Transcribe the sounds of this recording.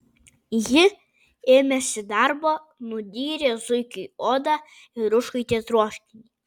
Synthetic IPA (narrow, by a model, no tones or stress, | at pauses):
jɪ | eːmʲɛsʲɪd̪ɑɾbo | nʊd̪ʲiːɾʲezʊjkʲɨoːd̪ɑ | ɪɾʊʃkɐjt̪ʲɛt̪ɾuɔʃʲkʲɪnʲi